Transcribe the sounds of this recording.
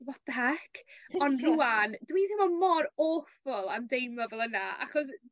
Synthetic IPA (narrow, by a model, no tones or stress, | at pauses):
wɔtðəakʰɔnruandwitʰɪmɔmɔɾoːfʊlˠamdejnlɔvɛlˠənaa̰χɔs